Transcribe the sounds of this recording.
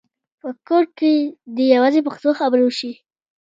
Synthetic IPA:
pəkoʈ̚ked̪əjawazep̬axt̪oxabəɾwəʃi

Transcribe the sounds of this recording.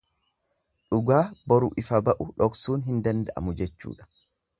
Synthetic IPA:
ᶑʊɡaːbɔɾʊʔɪfɐbɐʔʊᶑɔksuːnɦɪnd̪ɐnd̪ɐʔɐ̰mʊd͡ʒɛt͡ʃːṵːᶑɐ̥

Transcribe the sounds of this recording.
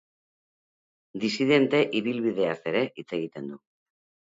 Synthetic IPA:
d̪isið̞e̞nt̪e̞ʔiβilβiðe̞ase̞ɾe̞ʔit͡se̞ɣ̞it̪e̞nd̪u

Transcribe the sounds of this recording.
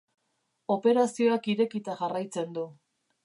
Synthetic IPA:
o̞pe̞ɾasio̞akiɾe̞kit̪aʝarajt͡se̞nd̪u

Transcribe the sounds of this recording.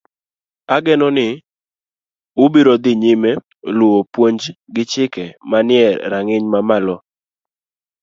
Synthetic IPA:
aɡɛnɔnɪ | ʊbiɾod̪ɪɲɪme | lʊopwoɲd͡ʒɡɪt͡ʃɪkɛmanɪɛɾaŋɪɲmamalɔ

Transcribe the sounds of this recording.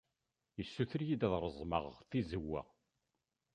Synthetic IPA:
jəsːuθəɾjid̪æðˤɾˤəzˤmə̰ʁθizəwːæ̰

